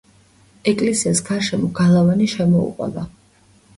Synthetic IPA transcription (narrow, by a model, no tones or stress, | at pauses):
ɛkʼlɛsiasɡaɾʃɛmɔɡalˠavaniʃɛmɔṵqʼwɛ̰ba